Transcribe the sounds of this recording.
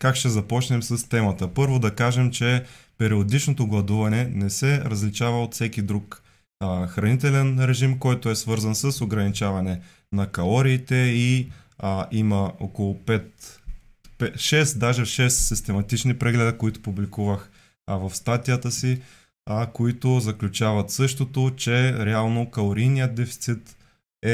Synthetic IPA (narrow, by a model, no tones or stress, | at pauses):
kakʃt̪ɛzɐpɔt͡ʃnɛmsɐst̪ɛmɐt̪əpɤɾvod̪ɐkaʒɛmt͡ʃɛpɛɾiod̪it͡ʃnot̪oɡlˠɐd̪uvɐnɛnɛsɛɾɐzlit͡ʃavɐot̪fsɛkʲid̪ɾuk | xɾɐnit̪ɛlɛnɾɛʒimkɔjt̪ʊɛsvɤɾzənsɐsoɡɾɐnit͡ʃavɐnɛ | nɐkɐlˠɔɾiːt̪ɛi | ʔimɐokolˠʊpɛt̪ | pɛʃɛsd̪aʒɛʃɛssist̪ɛmɐt̪it͡ʃnipɾɛɡlɛd̪əkoit̪o̥publikuvəx | vɐfst̪at̪ijət̪əsi | koit̪ozɐklʲut͡ʃavɐt̪sɤʃt̪ot̪ot͡ʃɛɾɛalˠnokɐlˠoɾijnijət̪̚d̪ɛfi̥t̪sit̪ | ɛ